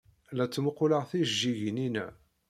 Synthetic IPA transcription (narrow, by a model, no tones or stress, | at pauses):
læt͡sːməqːʊləʁθiʒːiʝninæ